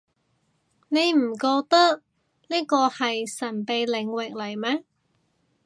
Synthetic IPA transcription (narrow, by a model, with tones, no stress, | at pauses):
ne˨˧jm̩˨˩kɔː˧k̚t̪ɐ˥k̚ | niː˥kɔː˧hɐ˨jsɐ˨˩npe˨jlɪ˨˧ŋwɪ˨k̚lɐ˨˩jmɛː˥